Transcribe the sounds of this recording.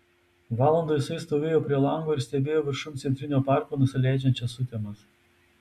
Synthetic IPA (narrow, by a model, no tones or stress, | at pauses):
ʋɑːlˠɐnd̪osɐɪst̪oːʋʲeːjoːpʲɾʲiɛlˠɐˑŋɡoːɪɾsʲt̪ʲɛbʲeːjoːʋʲɪɾʃʊmt̪sʲɛnt̪ɾʲɪnʲoːpɑˑɾkoːnʊsʲɪlʲæˑɪd͡ʒʲɛnʲt͡ʃʲɛsʊt̪ʲemɐs